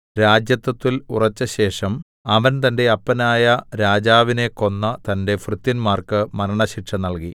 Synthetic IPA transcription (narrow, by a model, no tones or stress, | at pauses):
ɾaːd͡ʑjɐt̪ːɐt̪ːilṵrɐt͡ɕːɐɕe̞ːʂɐm | ɐʋɐnt̪ɐnde̞ɐpːɐnaːjɐɾaːd͡ʑaːʋine̞kːo̞nːɐt̪ɐnde̞frɨt̪ːinmaːrkɨmɐɾɐɳɐɕiʈʂɐnɐɭki